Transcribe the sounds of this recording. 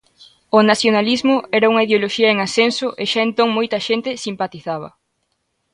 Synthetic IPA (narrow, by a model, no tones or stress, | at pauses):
onaθjonalizmʊɛɾɐuŋɐiðeoloʃiɐeŋasensʊʔeʃaẽnt̪oŋmojt̪ɐʃent̪ɪsimpat̪iθaβ̞ɐ̰